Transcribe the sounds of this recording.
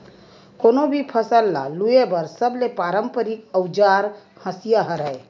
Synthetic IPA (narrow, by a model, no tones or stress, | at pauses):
konobʱipʰəsəlːa̰luebəɾsəblepaɾəmpəɾikəwd͡ʒaɾ | hə̃sijaɦəɾəj